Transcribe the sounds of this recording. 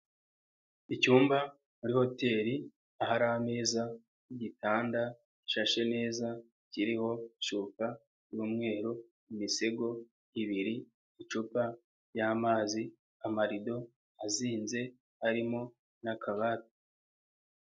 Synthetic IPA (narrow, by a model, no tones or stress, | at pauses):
icuːmba | muɾiho̞te̞ːɾi | aɦaɾahane̞ːza | iɟitaːnda | iʃaʃe̞ne̞ːza | ciɾiho̞ʃuka | juːmŋe̞ːɾo | imise̞ɡo̞ | iβiɾi | it͡ʃupa | jaːmaːzi | amaɾido̞ | aziːnze̞ | haɾimo | nakʰaβato̥